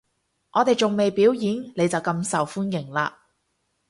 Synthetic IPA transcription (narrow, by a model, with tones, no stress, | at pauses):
ʔɔː˨˧t̪e˨jt͡sʊ˨ŋme˨jpiː˨˥wjiː˨˥nle˨˧jt͡sɐ˨wkɐ˧msɐ˨wfuː˥njɪ˨˩ŋla̰ː˧